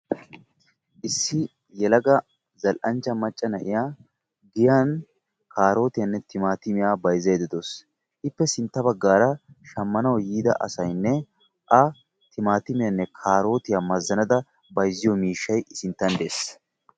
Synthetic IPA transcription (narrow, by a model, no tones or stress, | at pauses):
ʔɪsːɪ | jɛlɐɡɐ | zɐlʔɐnt͡ʃːɐmɐt͡ʃʼːɐnɐʔɪjaː | ɡɪjaːn | kaːɾo̞ːt̪ɪjɐnːɛt̪ɪmaːt̪ɪmɪjaːbɐjzːɐjd̪ɪd̪os | ʔɪpːɛsɪnt̪ːɐbɐɡːaːɾɐʃɐmːɐnɐwjiːd̪ɐ̰ʔɐ̰sɐjnːɛ | ʔɐ | t̪ɪmaːt̪ɪmɪjɐnːɛkʰaːɾo̞ːt̪ɪjaːmɐzːɐnɐd̪ɐ | bɐjzːɪjɔmiːʃːɐjɪsɪnt̪ːɐnd̪e̞ːs